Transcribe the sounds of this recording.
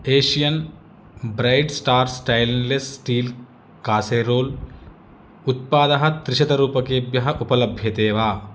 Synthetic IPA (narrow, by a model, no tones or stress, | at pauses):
eːʃijɐn | bɾɐjɖsʈaːɾsʈɐjllesʈiːl | kaːseːɾoːl | ut̪̚paːd̪ɐɦɐt̪ɾɪʃɐd̪ɐɾuːpɐkeːbjɐɦɐʔupɐlɐbʱjɐt̪eːʋaː